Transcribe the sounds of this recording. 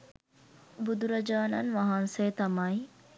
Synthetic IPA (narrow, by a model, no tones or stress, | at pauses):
bud̪uɾɐd͡ʒaːnɐ̰nʋɐɦanseːt̪ɐmɐi